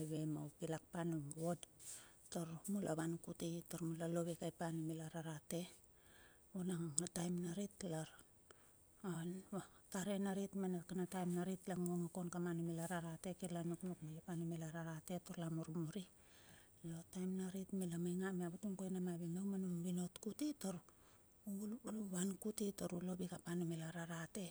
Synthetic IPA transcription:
aβe̞mawpilak̚panumβodtoɾmulʔa̰βankutitoɾmulalo̞βekajpanumilaɾaɾate̞ | onaŋatajmnaɾitlaɾ | anataɾenaɾitmanakanatajmnaɾitlaŋoŋako̞nkamanimelaɾaɾate̞kilanoknokmajapanimelaɾaɾate̞toɾlamoɾmoɾi | lo̞tajmnaɾitmelamajŋameaβutuŋkojnamaβimewmanumβino̞tkutitoɾ | lβankutitoɾulobikapanimelaɾaɾate̞

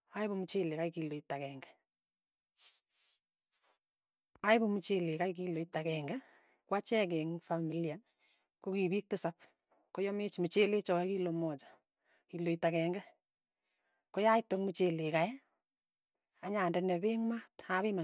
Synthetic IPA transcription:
aɪβomut͡ʃelekajkiloitakɛːŋɡɛ̥ | aɪbomut͡ʃelekajk̬iloitakɛŋɡɛ | kwat͡ʃɛk̬ɛŋfamilian | kokiβik̚tɪsap̚ | kojɔmet͡ʃmut͡ʃelet͡ʃɔkilomɔt͡ʃḁ | kiloitakɛŋɡɛ | kojaɪtokmut͡ʃelekaj | aɲandɛnɛβeŋmataβɪma

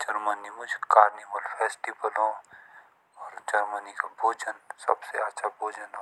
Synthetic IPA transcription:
d͡ʒɐɾmənimʊd͡ʒʱkaːɾnibəlfʰɛːsʈibəlɦõ | ɔːɾd͡ʒɐɾmənikabʱoːd͡ʒənsɐ̰bseaːt͡ʃʰabʱoːd͡ʒənɦo

